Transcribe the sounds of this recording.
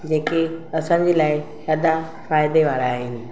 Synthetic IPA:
d͡ʑeːkeɐsã̆ːd͡ʑiːlaːɪʃɐd̪a | faːɪd̪eʋaːɾaːɦeːnɪ̆

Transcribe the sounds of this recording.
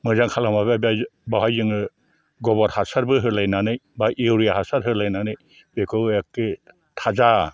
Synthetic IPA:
mɯzaŋkʰalamabababawajzɯŋɯ | ɡɔbɔɾhasaɾbɯɦɯɾlajnanɯjbaʔewɾijahasaɾhɯɾlajnanɯj | bekʰɯekːɯ | tʰaza

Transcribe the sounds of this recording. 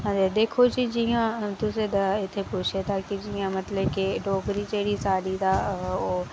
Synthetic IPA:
ɦãd͡ʒad̪eːkʰot͡ʃid͡ʒiɦãt̪ʊsed̪ɪt̪ʰepuːt͡ʃʰet̪ʰakid͡ʒiɦãmɐt̪ləbkeɖoːɡɾit͡ʃeːɽisaːɾit̪ʰaoː

